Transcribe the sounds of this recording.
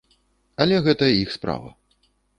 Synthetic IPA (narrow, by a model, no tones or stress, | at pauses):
ɐlʲɛɣɛt̪ɐixspɾa̰vɐ̰